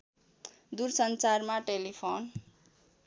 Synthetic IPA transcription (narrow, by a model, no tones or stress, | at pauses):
d̪uɾsʌnt͡sarmaʈelipʰon